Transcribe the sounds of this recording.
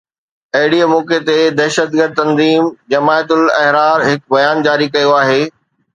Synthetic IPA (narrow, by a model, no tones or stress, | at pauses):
ɐɦɪɽiəmɔːket̪ed̪ɛːʃəd̪̚ɡəɾd̪̚t̪ɐ̃nziːmd͡ʑɐmaːjt̪ʊlɐɦɾaːɾɦɪkbɐjaːnd͡ʑaːɾikɐjoaːɦeː